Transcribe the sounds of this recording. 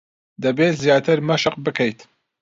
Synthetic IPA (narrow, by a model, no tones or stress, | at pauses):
d̪ɐbeːt̪zijaːt̪ʰɨɾmɐʃɨqbɨkʰɐjt̪